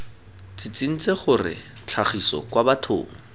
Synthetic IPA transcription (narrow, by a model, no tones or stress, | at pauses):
t͡sɪt͡sin̩t͡seχʊrɪ̰ | t͡ɬʰaχisɔ̰kwabatʰʊ̰ːŋ̩